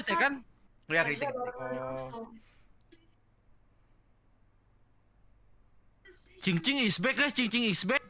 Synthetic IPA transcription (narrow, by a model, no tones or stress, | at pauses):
t̪ekanjakɾit̪ɪk̪̚ː | t͡ʃiŋt͡ʃɪŋisbɛk̚lɛht͡ʃiŋt͡ʃɪŋisbɛk̚